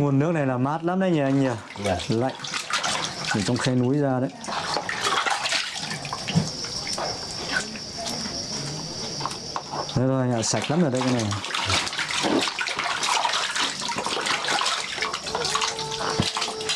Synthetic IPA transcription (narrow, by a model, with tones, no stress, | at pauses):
ŋu˨˩ənːɨ˦˥ək̚na˨˩jlaː˨˩maː˦˥t̚laː˦˥mɗə˨˦jɲaː˨˩ʔa˧jŋ̟ɲə˨˩ | la̰˧˨j | ti˨˩t͡ɕɔ˧wŋ͡mxa˧jnu˨˦jzaː˧ɗə˨˦j | a˨˦to˧˩ʔa˧ŋʔaː˧˨˩sa˨˩jk̚laː˨˦mʔəː˨˩ɗə˧jka˧˦na˨˩